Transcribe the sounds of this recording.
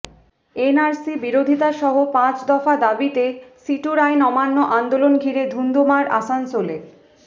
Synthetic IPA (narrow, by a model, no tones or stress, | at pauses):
enaɾsibiɾod̪ʱit̪aʃɔɦopãt͡ɕd̪ɔfad̪abit̪esiʈuɾajnɔmanːoʔand̪olonɡʱiɾed̪ʱund̪ʱomaɾʔa̰sansole